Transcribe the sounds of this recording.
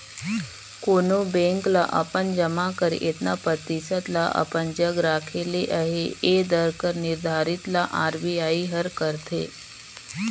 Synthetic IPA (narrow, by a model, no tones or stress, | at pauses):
koːnobẽːŋklaʔɐpənd͡ʒəmakəɾɪt̪napət̪isət̪laʔɐ̰pənd͡ʒəɡɾaːkʰeleʔəɦeeːd̪əɾkəɾnɪɾd̪ʱaːɾɪt̪laʔaːɾbiaːiɦəɾkəɾt̪ʰḛː